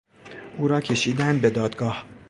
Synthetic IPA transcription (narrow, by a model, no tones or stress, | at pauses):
ʔuːɾɒːcʰe̞ʃiːd̪ænd̪be̞d̪ɒːd̪ɡɒːh